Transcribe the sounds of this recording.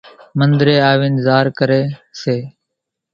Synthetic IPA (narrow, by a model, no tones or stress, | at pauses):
mənd̪ɾeːaːʋiːnzaːɾkəɾeːseː